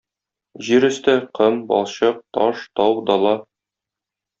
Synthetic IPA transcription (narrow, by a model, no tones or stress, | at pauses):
ʑiɾɵ̆st̪ɘqɤmbɒ̰lˠɕɤq̚t̪ɒʃt̪ɒwd̪ɒlˠɑ